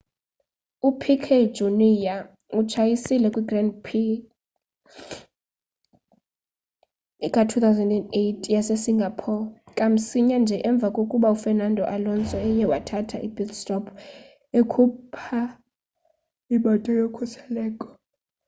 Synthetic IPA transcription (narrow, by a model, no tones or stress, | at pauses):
upʰikʰed͡ʒunija | ut͡ʃʰajisilɛkʼwiɡrandpʰi | kʼatʰut̪ʰawzɛndɛndejtʰjasesiŋɡʱapʰɔkʼam̩siɲand͡ʒʱɛʔɛɱb̪vʱakʼokʼuɓaufɛnandʱɔʔalɔnt͡sʼɛɛjɛwatʰatʰaʔibitstʰʼɔpʰ | ekʰupʰa | iɓatʼɔjɔkʰɔsɛlɛːkʼɔ̥